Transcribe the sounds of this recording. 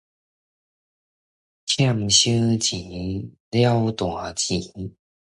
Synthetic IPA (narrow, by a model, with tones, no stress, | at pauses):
t͡ɕʰja˥˧˨mɕɨ˦t͡ɕi˨˦ | lja˦wt̪wa˨˩t͡ɕi˨˦